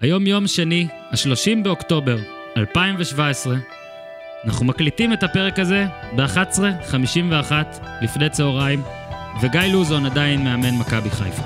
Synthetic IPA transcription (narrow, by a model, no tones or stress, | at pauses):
hajo̞mjo̞mʃeni | haʃlo̞ʃimbe̞o̞kto̞be̞ʁ | alpaimveʃvaesʁe̞ | ana̰χumaklitime̞tape̞ʁ̞e̞kaze̞ | beaχat̪e̥sʁeχamiʃimveaχatlifne̞jt͡seoʁaim | veɡajluzo̞nadainme̞ame̞nmakabiχa̰jf